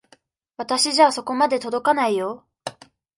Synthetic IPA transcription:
βat̪aɕiʑaːso̞ko̞mad̪e̞t̪o̞d̪o̞kanaijo̞

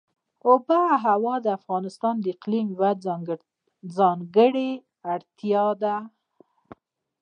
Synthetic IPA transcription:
ʊbaɦawɑd̪əafɣɑnɪst̪ɑnd̪əɪqlimwad̪ | zɑŋɡəɽe | aɽt̪jɑd̪a

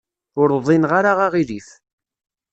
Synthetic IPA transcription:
ʊɾðˤinʁaɾaʁaʁiɾiθ

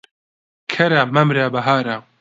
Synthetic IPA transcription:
kʰɐɾamɐmɾaːbɐɦaːɾa

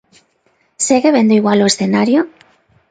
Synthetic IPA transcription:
seɣeβ̞end̪oiɣwaloesθenaɾjo

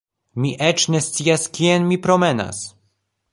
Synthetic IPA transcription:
miʔet͡ʃne̞st̪t͡siaskienmipɾo̞me̞na̰s

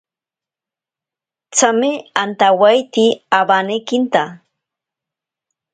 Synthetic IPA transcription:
t͡sameant̪awajt̪iabanekint̪a

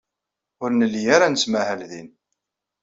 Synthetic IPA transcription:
ʊɾnəlːijaɾanəsmæhælðin

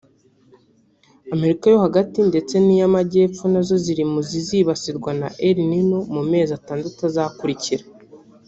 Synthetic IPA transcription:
ame̞ɾikajo̞haɡatinde̞t͡se̞nijamaɟe̞ːp͡funazo̞ziɾimuziziːβasiɾɡwanaʔeɾinino̞mume̞ːzataːndatazakuɾiciɾa

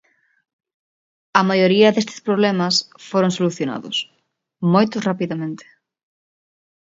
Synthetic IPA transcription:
ɐmajoɾiɐðest̪ɪ̥spɾoβlɛmɐsfoɾoŋsoluθjona̰ðʊ̰s | mojt̪ʊrapiðɐmẽnt̪ɪ̥

